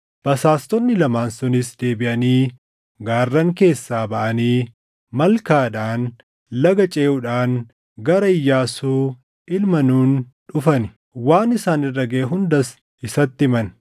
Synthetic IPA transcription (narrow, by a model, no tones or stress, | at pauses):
b̥ɐsaːst̪ɔnːɪlɐmaːnsʊnɪsd̪e̞ːbɪʔɐniː | ɡaːrːɐŋke̞ːsːaːbɐʔɐniː | mɐlkaːᶑaːn | lɐɡɐt͡ʃʼeːʊᶑaːŋ | ɡɐɾɐɪjːaːsuː | ɪlmɐnuːnᶑʊfɐnɪ | waːnɪsaːnɪrːɐɡeːɦʊnd̪ɐs | ɪsɐt̪ːɪmɐn